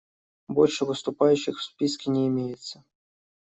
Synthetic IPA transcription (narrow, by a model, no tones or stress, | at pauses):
bolʲʂɨvɨst̪ʊpajyɕːɪxfspʲiskʲɪnʲeɪmʲejɪt̪sʲə